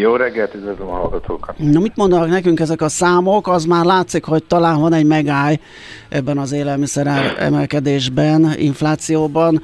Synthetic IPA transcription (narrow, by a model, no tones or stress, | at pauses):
joːɾɛɡːɛlt̪yzɛzlomɒɦɒlɡɒt̪ʰo̰ːknɒmit̪mond̪ɒnɒknɛkyŋkɛzɛkɒsaːmokɒzmaːrlaːt̪sikho̞c̚t̪ɒlaːɱvɒnɛɟmɛɡaːj | ʔɛbːɛnɒzeːlɛlmisɛɾaːɾɛ̰mɛlkɛd̪eːʒbɛnḭɱflaːt̪sijoːbɒn